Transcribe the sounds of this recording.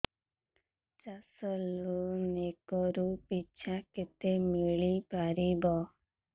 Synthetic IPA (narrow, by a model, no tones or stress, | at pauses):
t͡ʃasɔlunekɔɾupit͡ʃʰaket̪emiɭipaɾibɔ